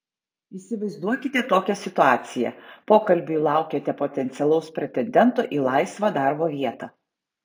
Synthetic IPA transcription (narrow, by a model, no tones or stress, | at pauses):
iːsʲɪʋɐɪzd̪uɔkʲɪt̪ʲɛt̪oːkʲɛsʲɪt̪ʊɑːt̪sʲɪjɛ̰poːkɐlʲbʲʊlˠɑˑʊkʲeːt̪ʲɛpot̪ʲɛnʲt̪sʲɛlˠɐʊspʲɾʲɛt̪ʲɛnʲd̪ʲɛnt̪oʔiːlˠɑɪsʋɑd̪ɑɾboːʋʲiɛt̪ɑ